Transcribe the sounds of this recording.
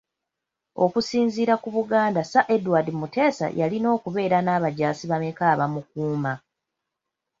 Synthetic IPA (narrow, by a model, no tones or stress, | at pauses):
o̞kusiːnziːɾakuβuɡaːndasaʔe̞dwaːdimute̞ːsa̰jalino̞ːkuβe̞ːɾanaːβaɟaːsiβamekaːβamuk̚uːma